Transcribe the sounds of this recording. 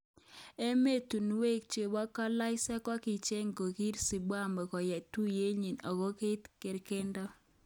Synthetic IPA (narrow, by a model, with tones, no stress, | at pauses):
e˦me˦tu˨nwe˦k̚t͡ʃe˨bɔ˦kɔ˦la˦ɪ˦sɛ˦kɔ˦kɪ˨t͡ʃe˦ŋ˨ko˨ki˦ɾsi˨bwa˦˨mɔ˨kɔ˨jɛ˨tu˦je˦ɲi˨nɔ˨ko˦ke˦tke˨ɾke˦ndɔ˦